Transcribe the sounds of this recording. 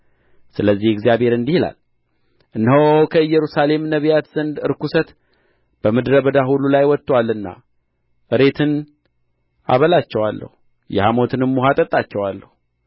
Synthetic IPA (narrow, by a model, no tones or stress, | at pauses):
sɨləzːihɪɡzijabhe̞ɾɨnd̪ihila̰l | ʔɨnːhokʰəɨjːɛɾusale̞mnəβijat̪z̥ənd̪ɨɾkusət̪ | b̥əmɨd̪ɾəbəd̪aɦululajwɔt̪ʼːwalːɨnːa̰ | ʔɨɾe̞t̪ʰɨn | ʔa̰βəlat͡ʃːɛwalːʔə̰hu | jɛ̰hamo̞t̪ʰɨnɨmːuɦat̪ʼət̪ʼːat͡ʃːɛwalːəhu